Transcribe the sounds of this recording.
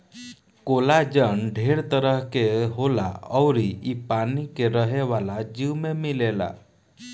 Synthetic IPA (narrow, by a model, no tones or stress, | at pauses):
kolad͡ʑəɳɖʱeɽt̪əɾəɦkeɦola̰əwɾiipanikeɾəɦeʋalad͡ʑiwmemilela̰